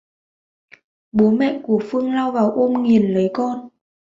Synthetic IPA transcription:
ɓo˨˦mɛ̰˧˨ku˧˩əfɨ˧əŋlaː˧wvaː˨˩wʔo˧mŋi˨˩ənlə˨˦jkɔ˧n

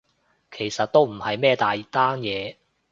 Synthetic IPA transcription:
kʰe˨˩jsɐ˨t̚t̪o˥wm̩˨˩hɐ˨jmɛː˥t̪aː˨ji˨˥t̪aː˥njɛː˨˧

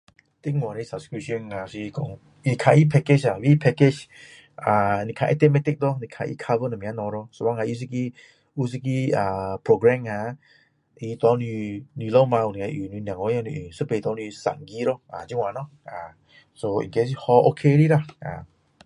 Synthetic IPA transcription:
t̪i˦ŋwa˨ɾi˧sa˨pskɹi˧p̚ʃə˧na˧si˧kɔ˨ŋ | i˧˨kʰa˧ʔi˦pʰɛ˧ke˦t͡ʃa˨wi˦pʰɛ˧ke˧t͡ʃ | a˨ni˧kʰa˧ʔɛ̰˧t̪ɛ˧mɛ˧t̪ɪ˧k̚d̪ɔ˦ni˨kʰa˧ʔḭ˧kʰa˧və˧na˨mĩ˨a˦nɔ˧ɾɔ˧so˧ba˧˦ŋa˧˨i˧s̬i˧ki˧ | u˦s̬i˧k̬i˧a˨pʰɹo˧ɡɹɛ˧ŋha˧ | ʔi˧t̪ɔ˧ni˧ni˧lo˦ma˧u˨ni˨a˧˦ʔu˨˩ni˧njã˨ŋɔ˧˦jnḭ˧˨ʔi˨sə˦pt̪ɔ˧ni˧sa̰˨ŋɡi˧˦ɾɔ˦ʔa̰˨d͡ʒi˦ŋwa˨nɔ˦ | ʔa˨ | so˧ḭ˨nke˧s̬hɔ˧ʔo˧kʰe˧ɾi˦la˧ʔa̰˨

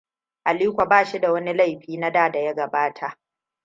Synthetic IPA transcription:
ʔa˨liː˦kʷa˨baː˦˨ʃi˦da˨wɐ˦ni˦la˦jɸiː˦na˦daː˦˨da˨ja˦ɡɐ˨baː˦tʰa˨ʔ

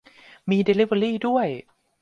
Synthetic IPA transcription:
miː˧de˧li˦˥˩wə˧ɾiː˥˩du˥˩əj

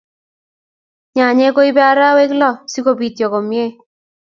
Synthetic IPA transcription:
ɲa˨ɲɛ˦ko˦i˦bɛ˦a˦ɾa˦we˦klɔ˦˨si˦ko˦bi˨tjɔ˨ko˨mje˦

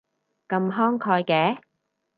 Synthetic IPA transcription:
kɐ˧mɦɔː˥ŋkʰɔː˧jkɛː˨˥

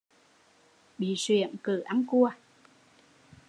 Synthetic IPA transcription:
ɓḭ˧˨swi˧˩˨əmkɨ˧˩˦ʔa˧nku˧ə

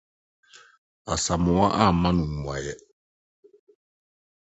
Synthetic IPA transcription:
a̰˨sa˨mʊ̃˨wa̰˦ʔa˦˨mã˦nũ˨ŋu˨a̰˨jɛ˦

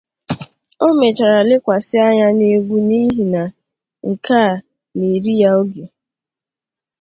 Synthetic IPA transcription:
o˦me˨t͡ʃa˨ɾa˨lɪ˦kʷa˨sɪ˦a˦ɲa˦ne˦ɡʷu˦ni˦ɦi˨na˨ | ŋ̩˨kaː˦˨ | ne˨ɾi˦ja˦o˦ɡe˨

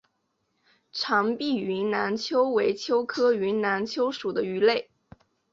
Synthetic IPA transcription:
ʈ͡ʂʰɑ˧˥ŋpi˥˩y˧˥nna˧˥nt͡ɕʰjo˥ʊwe˧˥ɪt͡ɕʰjo˥ʊkʰɤ˥y˧˥nna˧˥nt͡ɕʰjo˥ʊʂu˨˩d̪ə˦y˧˥le˥˩ɪ

